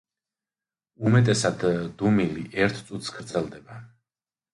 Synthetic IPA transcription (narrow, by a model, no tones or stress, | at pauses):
umɛt̪ʼɛsad̪d̪umiliʔɛɾt̪ʰt̪sʼut̪ʰsɡ̥ɾd̪zɛlˠd̪ɛba